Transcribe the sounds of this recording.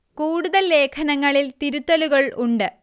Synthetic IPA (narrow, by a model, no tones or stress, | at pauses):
kuːɽuðɐlːe̞ːkʰɐnɐŋːɐɭilt̪iɾut̪ːɐluɣɐɭuɳɖɨ